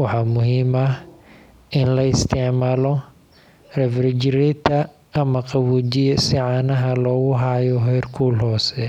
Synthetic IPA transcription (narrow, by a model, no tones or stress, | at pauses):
wɑħɑːmʊɦiːmɐh | ɪnlɐɪst̪ʰɪʕmaːlɔ | rɛfrɪt͡ʃɾit̪ʰɐː | mɐqɑwuːd͡ʒɪjɐsɪʕɑːnɐɦɐlɔːɣʊɦaːjɔɦɛjrkʰuːlɦɔːsɛ